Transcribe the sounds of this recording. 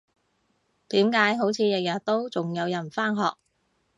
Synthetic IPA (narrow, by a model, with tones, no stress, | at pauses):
t̪iː˨˥mkaː˨˥jɦo˨˥wt͡sʰiː˨˧jɐ˨k̚jɐ˨˩t̚t̪o˥wt͡sʊ˨ŋjɐ˨˧wjɐ˨˩nfaː˥nɦɔ̰ː˨k̚